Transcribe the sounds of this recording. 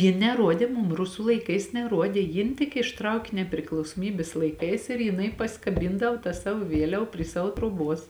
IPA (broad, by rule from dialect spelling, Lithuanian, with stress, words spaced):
ˈjɪn nʲɛˈruɔdʲeː ˈmʊm ˈrʊsʊ lˠɐɪˈkɐɪs nʲɛˈruɔdʲeː ˈjɪn tʲɪk ɪʃˈtrɐʊkʲɪ nʲɛpʲrʲɪklˠɐʊsoːˈmʲiːbʲeːs lˠɐɪˈkɐɪs ɪr jɪˈnɐɪ pɐsʲɪkɐˈbʲiːndɐw tɐ ˈsɑːʋoː ˈʋʲiɛlʲɛw pʲrʲiɛ ˈsɑːʋoː troːˈbuɔs